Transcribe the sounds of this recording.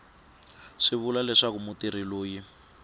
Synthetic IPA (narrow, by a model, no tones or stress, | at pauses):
ʂiβulalɛʂak̬umutiɾiloːji